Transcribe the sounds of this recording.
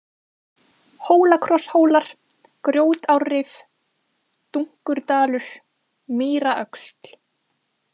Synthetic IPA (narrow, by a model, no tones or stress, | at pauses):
hoːwlakʰɾɔshoːwlaɾ̥ | kɾjoːwt̪awrɪf | t̪uŋ̥kʏɾ̥t̪aːlʏɾ̥ | miːɾaʔœkst̪l̥